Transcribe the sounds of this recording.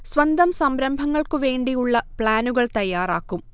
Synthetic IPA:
sʋɐnd̪ɐmsɐmɾɐmbʱɐŋːɐɭkɨʋe̞ːɳɖijuɭːɐpɭaːnuɣɐɭt̪ɐjːaːraːkːum

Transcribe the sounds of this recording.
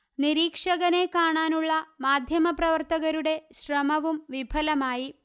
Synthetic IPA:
niɾiːkʂɐɣɐne̞kaːɳaːnuɭːɐmaːd̪ʱjɐmɐprɐʋɐrt̪ɐɣɐɾuɽe̞ɕrɐmɐʋumʋibʱɐlɐmaːji

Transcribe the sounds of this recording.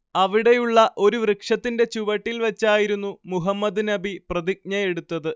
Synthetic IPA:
ɐʋiɽe̞juɭːɐʔo̞ɾuʋrɨkʂɐt̪ːinde̞t͡ɕuʋɐʈːilʋɐt͡ɕːaːjiɾunːumuɦɐmːɐd̪nɐbiprɐðik̚ɲɐje̞ɽut̪ːɐðɨ

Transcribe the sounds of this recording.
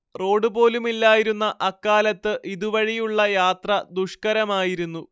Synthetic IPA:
ro̞ːɖɨbo̞ːlumilːaːjiɾunːɐʔɐkːaːlɐt̪ːɨʔiðuʋɐɻijuɭːɐjaːt̪rɐd̪uʂkɐɾɐmaːjiɾunːu

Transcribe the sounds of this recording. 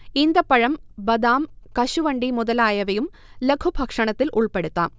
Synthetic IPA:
ind̪ɐpːɐɻɐmbɐd̪aːmkɐɕuʋɐɳɖimuðɐlaːjɐʋɐjum | lekʰubʱɐkʂɐɳɐt̪ːilʔuɭpeɽut̪ːaːm

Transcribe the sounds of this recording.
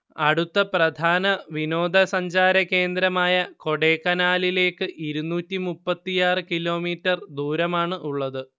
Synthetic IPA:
ɐɽut̪ːɐprɐd̪ʱaːnɐʋino̞ːd̪ʱɐsɐɲd͡ʑaːɾɐke̞ːnd̪ɾɐmaːjɐko̞ɽe̞ːkːɐnaːlile̞ːkːɨʔiɾunːuːtːimupːɐt̪ːijaːrɨkilo̞ːmiːtːɐrd̪uːɾɐmaːɳɨʔuɭːɐðɨ

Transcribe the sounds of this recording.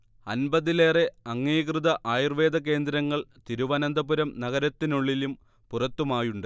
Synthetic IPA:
ɐnbɐðile̞ːreɐŋːiːkrɨðɐʔaːjirʋe̞ːd̪ɐk̬e̞ːnd̪ɾɐŋːɐɭt̪iɾuʋɐnɐnd̪ɐpuɾɐmnɐɣɐɾɐt̪ːinuɭːilum | purɐt̪ːumaːjuɳɖɨ

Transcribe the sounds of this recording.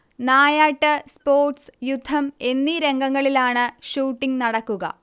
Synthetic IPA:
naːjaːʈːɨspo̞ːrʈsjud̪ʱːɐme̞nːiɾe̞ŋɡɐŋːɐɭilaːɳɨʂuːʈːiŋnɐɽɐkːuɣɐ̰

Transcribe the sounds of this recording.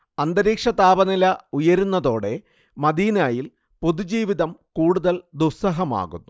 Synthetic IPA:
ɐnd̪ɐɾiːkʂɐt̪aːbɐnilɐujɐɾunːɐðo̞ːɽe̞ | mɐd̪iːnaːjil | poðud͡ʑiːʋiðɐmkuːɽuðɐld̪usɐɦɐma̰ːɣṵnːu

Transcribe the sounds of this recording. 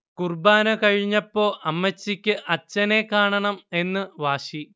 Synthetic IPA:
kurbaːnɐkɐɻiɲːɐpːo̞ːʔɐmːɐt͡ɕːikʲːɨʔɐt͡ɕːɐne̞kaːɳɐɳɐme̞nːɨʋaːɕi

